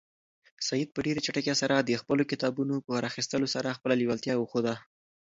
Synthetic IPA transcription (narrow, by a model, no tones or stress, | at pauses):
sajid̪̚pəɖeɾat͡ʃaʈəkjasaɾad̪əxpəlokɪt̪ɑbunopəɾaxist̪əlosaɾaxpəlaliwalt̪jɑwəxod̪a